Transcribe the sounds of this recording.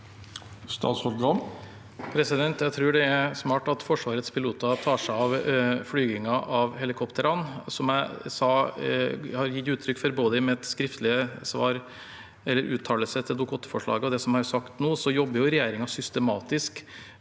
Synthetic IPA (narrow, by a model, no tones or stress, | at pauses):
st̪ɑ̰ːt̪sɔlɡ̪ɑn | pʰɾɛsɪd̪ɛnt̪jæɪt̪ʰɾʉːɖɛæɾsmɑːʈɑt̪fɔʂʋɑːɾət̪spʰɪluːt̪ɑt̪ʰɑːʂæɑʋflyːɡɪŋɑʔɑʋhɛlɪkʰɔpt̪əɾɑnsɔmæɪsɑː | hɑɾjɪt̪ʉːt̪ʰɾʏkːfɔɾboːd̪əmɛɛt̪skɾɪft̪lɪəsʋɑːɾ | ɛlːəɾʔʉːt̪ʰːɑːləsət̪ʰɪld̪ʊkʰɔt̪ːfɔʂɭɑ̰ːɡəɔd̪ɛsɔmhɑɾsɑkt̪noːsɔjɔbːəɾjʊɾɛjeːɾɪŋɑsʏst̪əmɑːt̪ɪsk